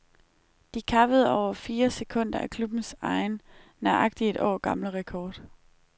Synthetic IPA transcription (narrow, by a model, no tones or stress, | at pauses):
d̥ikʰɑ̈ʋəð̞ˠɒʊ̰ɐfiːɐse̝kʰɔ̽n̰d̥ɐʔækʰlub̥n̩sɑ̈ɪnː | ɑʔɑ̈ɡ̥̚d̥ie̝d̥ʔɒ̰ːɡ̥ɑ̈mləʁɛkʰɒːd̥